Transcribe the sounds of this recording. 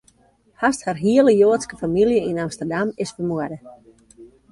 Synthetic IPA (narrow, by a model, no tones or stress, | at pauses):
hastharɦiələjoːətskəfamiljəinamstərdamɪsfərmuədə